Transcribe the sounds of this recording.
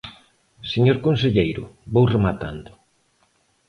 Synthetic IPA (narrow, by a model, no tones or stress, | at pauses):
seɲoɾkonseʎejɾʊ̰βowremat̪a̰nd̪ʊ